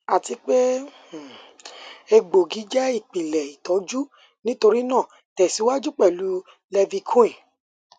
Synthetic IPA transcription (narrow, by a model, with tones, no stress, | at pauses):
a˨ti˨˧k͡pe˦˨ | e˧ɡ͡bo˨ɡi˨˦d͡ʒɛ˦i˦˨k͡pi˨lɛ˨i˨tɔ˨˦d͡ʒu˦ | nĩ˦to˧ɾi˦nãː˦˨ | tɛ˨si˨˦wa˦d͡ʒu˦k͡pɛ˦˨lu˨˦ | lɛ˧vi˧kʰũ˦ĩ˦˨